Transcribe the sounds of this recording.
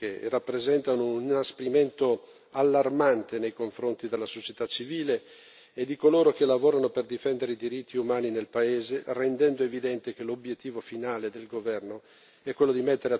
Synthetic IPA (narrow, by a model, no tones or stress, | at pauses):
erapːɾezɛnt̪anonaspeɾiment̪o | alːarmant̪enejkoɱfɾont̪id̪elːasot͡ʃet̪at͡ʃːiviːleː | d̪ikoloːɾok̟elavoːɾanoperd̪ifɛnd̪eɾeid̪iɾit̪ʰːiumaːninelpaeːzerend̪ɛnd̪oevid̪ɛnt̪ek̟elobjet̪ːiːvofinaːled̪elɡovɛrno | ɛkːwelːod̪imet̪ːeɾea